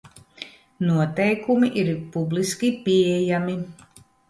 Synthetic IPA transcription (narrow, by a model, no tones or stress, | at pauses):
nuɔt̪ɛjkumiʔiɾpubliskʲipiɛjami